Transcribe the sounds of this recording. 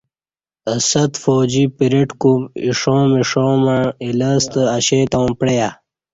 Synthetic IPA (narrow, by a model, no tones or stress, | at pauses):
ɐsɐt̪foːd͡ʑipiɾiʈkumiʂõːmiʂoːmailəst̪əɐɕeːt̪aw̃pɽeja